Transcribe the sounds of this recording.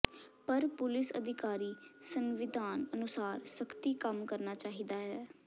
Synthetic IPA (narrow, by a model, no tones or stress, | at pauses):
pəɾpʊlɪsəd̪ʱɪkaːɾiːsənʋɪd̪ʱaːnənʊsaːɾsəkt̪iːkəmkəɾnaːt͡ʃaːɦid̪aːɦɛː